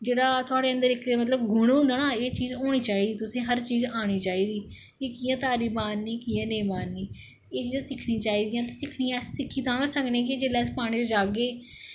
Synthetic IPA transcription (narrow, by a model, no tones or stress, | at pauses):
d͡ʒeːɽaːt̪ʊaːɽeːənd̪əɾɪkʰeːmət̪ləbɡʊɽ̃ɦʊ̃nd̪aːnaːeːt͡ʃiːzɦoːɽ̃iːt͡ʃaːiːd̪iːt̪ʊsĩːɦəɾt͡ʃiːzaːɽ̃iːt͡ʃaːiːd̪iː | kikiːãːt̪aːɾiːbaːnːiːkiːãːnẽːmaːnːiː | eːt͡ʃiːzãːsɪkʰnĩːt͡ʃaːiːd̪ijãːt̪asɪkʰnĩːɛːssɪkʰːiːt̪ãːɡsəknẽːkid͡ʒeːlɛːspaːɽ̃iːt͡ʃd͡ʒaːɡeː